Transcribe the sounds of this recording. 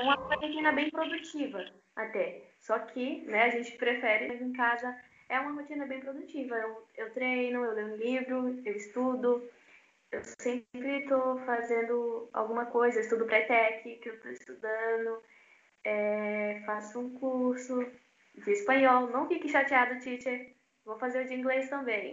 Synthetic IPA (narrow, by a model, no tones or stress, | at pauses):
ɛũmɐɐpekĩnɐbẽj̃pɾod̪ut͡ʃivɐ | at̪ɛsɔkʰɪnɛaʒẽnt͡ʃɪ̥pɾefɛɾɪ̃d̪ʊẽkazɐ | ɛũmɐɦot͡ʃĩnɐbẽj̃pɾod̪ut͡ʃivɐewewt̪ɾejnʊewlejũlivɾʊewɪst̪ud̪ʊ | ewsẽpɾɪt̪ofazẽnd̪ʊa̰wɡũmɐkojzɐeɪst̪ud̪ʊpɾɐt̪ɛkɪkewt̪oɪst̪ud̪ɐ̃nd̪ʊ | ɛfasʊũkuɾsʊ | d͡ʒɪːspɐ̃ɲɔwnɐ̃w̃fikɪʃat͡ʃiad̪ʊt͡ʃit͡ʃe | vowfazeɾʊd͡ʒɪĩŋɡlest̪ɐ̃mbẽj̃